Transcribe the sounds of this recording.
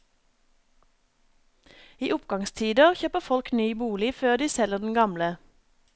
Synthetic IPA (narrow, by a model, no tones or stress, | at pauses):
iːʔʊpɡɑŋst̪ʰiːd̪əʁçøːpəfɔlknyːbuːlɪføːʁd̪iːsɛləʁd̪n̩ɡɑmlə